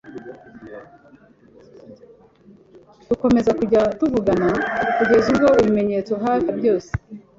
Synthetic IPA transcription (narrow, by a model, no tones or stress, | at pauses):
tuko̞me̞zakuɟatuvuɡanakuɟe̞zuɡo̞iβime̞ɲe̞t͡so̞ɦaːvebɟo̞ːse̥